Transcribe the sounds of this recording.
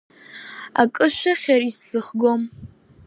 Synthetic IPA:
a̰kʼɨʃʷᶣaχʲaɾisːɨχɡom

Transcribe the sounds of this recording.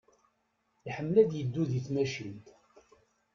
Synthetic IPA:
iħəmːlæd̪jəd̪ːuðiθmæʃint̪

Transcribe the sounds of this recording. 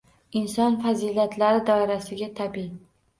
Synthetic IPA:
ɪnsɒnfazilat̪ʰlaɾɪd̪ɒɪɾasɪɡʲat̪ʰabi

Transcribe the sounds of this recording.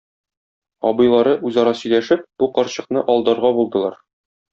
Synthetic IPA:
ɒbɤ̆jlˠɑɾɤʔʉzɒɾɑsɵ̆jlæʃɘp̚b̥uqɒɾɕɤ̆qnɤʔɒlˠd̪ɤɾʁɑbulˠd̪ɤ̆lˠɑɾ

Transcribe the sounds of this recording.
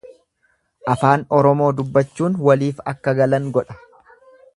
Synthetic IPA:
ʔɐfaːnɔɾɔmo̞ːd̪ʊbːɐt͡ʃːuːnwɐliːfɐkːɐɡɐlɐŋɡɔᶑɐ̥

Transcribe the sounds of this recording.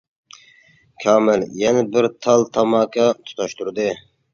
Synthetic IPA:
kʲʰɑːmɪljɛnɛbɪɾt̪ʰɑlˠt̪ʰɑmɑːkʰɑt̪ʰu̥t̪ʰɑʃt̪ʰuɾd̪ɨ

